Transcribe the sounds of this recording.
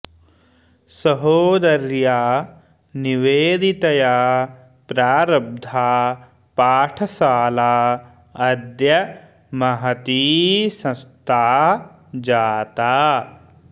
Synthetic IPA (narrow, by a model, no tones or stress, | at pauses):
sɐɦoːd̪ɐɾjaː | niʋeːd̪it̪ɐjaː | pɾaːɾɐb̚d̪ʱaː | paːʈʰɐsaːlaː | ɐd̪jɐ | mɐɦɐt̪iːsɐ̃st̪ʰaː | d͡ʒaːt̪aː